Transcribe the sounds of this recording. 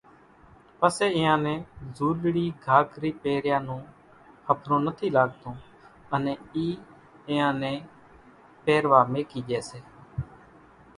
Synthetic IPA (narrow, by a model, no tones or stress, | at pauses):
pəseːɪjãːnɛ̃ːzuːlɽiːɡʱaːkɾiːpeːɾjãːnũː | həpʰɾõːnət̪ʰiːlaːɠ̚t̪õː | ənɛ̃ːiː | ɪːãːnɛ̃ː | peːɾʋaːmẽːkiːd͡ʒɛːseː